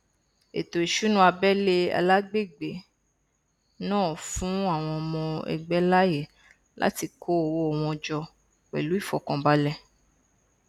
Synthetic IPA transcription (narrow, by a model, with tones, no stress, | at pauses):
ḛ˨to˨i˨ʃu˨˦nũ˦a˧bɛ˦le˧a̰˧la˦ɡ͡be˦˨ɡ͡be˨ | nãː˦˨fũ˨˦a˦˨w̃ɔ̃˧ɔ˧mɔ̃˧ɛ̰˧ɡ͡bɛ˦la˦je˦˨ | lʔa̰˦ti˧kʰo˦o˨wo˦ɔ˨w̃ɔ̃˧d͡ʒɔ˧ | k͡pɛ̰˨lu˨˦i˦˨fɔ˨kɔ̃˧ba˦lɛ˧˨